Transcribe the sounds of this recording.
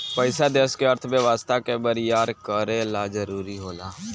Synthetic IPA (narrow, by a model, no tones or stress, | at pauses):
pəɪsaːd̪eːskeəɾt̪ʰmeʋaːst̪aːkebəɾɪjaːɾkəɾeːlaːd͡ʒəɾuːɾiɦoːlaː